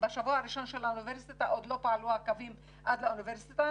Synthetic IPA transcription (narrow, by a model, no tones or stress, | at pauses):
baʃavoaɾiʃanʃalaʔʊnɪveɾsit̪aʔod̪lopaʕluakavim | ʔad̪laʔunɪveɾsit̪a